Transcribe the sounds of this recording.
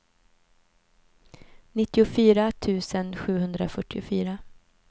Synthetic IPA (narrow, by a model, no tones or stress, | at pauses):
nɪt̪ːɪʊfyːɾat̪ʰʉ̟ːsənɧʉ̟ːɦhɵnd̪ɾafœʈːɪʊfyːɾa